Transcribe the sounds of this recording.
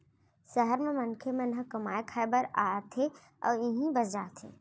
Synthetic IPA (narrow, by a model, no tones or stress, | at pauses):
səɦəɾmẽmɐnkʰemẽnɦəkɐmaːekʰɛːbəɾaːt̪ʰe | ɔ̰ːɾɪɦĩbɐsd͡ʒaːt̪ʰḛː